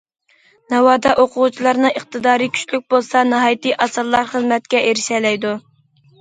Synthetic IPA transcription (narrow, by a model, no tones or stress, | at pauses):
nɑwɑːd̪ɑʔoqʰʊʁut͡ʃʰilˠɑɾnɨəχt̪ɨd̪ɑːɾɨkʲʰy̥ʃlyk̚ʲbolˠsɑnɨɦɑːjt̪ɨʔɑsɨlˠːɑɾχəzmɛt̪̚kʲɛʔeɾɪʃɛlɛjd̪u